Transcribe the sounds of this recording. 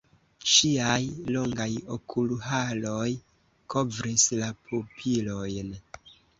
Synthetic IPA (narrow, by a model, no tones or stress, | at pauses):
ʃiajlo̞ŋɡajo̞̰kʰulɦalo̞j | ko̞vɾislapʰupʰilo̞jn